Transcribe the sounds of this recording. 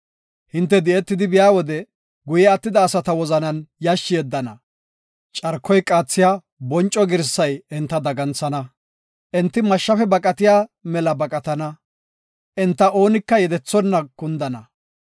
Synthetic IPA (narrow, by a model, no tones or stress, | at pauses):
hɪnt̪̬ːɛd̪ɪʔɛt̪ːɪd̪ɪbɪjaːwɔd̪ɛ | ɡʊjɛɐt̪ːɪd̪ɐːsɐt̪ɐwɔzɐnɐnjaʃːɪjɛd̪ːɐnɐ̰ | t͡ʃʼɐɾkʰːɔjkʼaːt͡sːɪjaː | bɔnt͡ʃʼːɔɡɪɾsːɐjɛnt̪ːɐd̪ɐɡɐnt͡sːɐnɐ | ʔɛnt̪ːɪmɐʃːɐfɛbɐkʼɐt̪ɪjaːmɛlɐbɐkʼɐt̪ɐnɐ | ʔɛnt̪ːɐʔo̞ːnɪkːɐjɛd̪ɛt͡sːɔnːɐkʊnd̪ɐnɐ